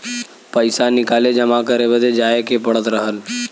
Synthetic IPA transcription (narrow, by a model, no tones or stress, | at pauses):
pəɪsanɪkaːled͡ʒəmakəɾebəd̪ed͡ʒaːekepəɽət̪ɾəɦəl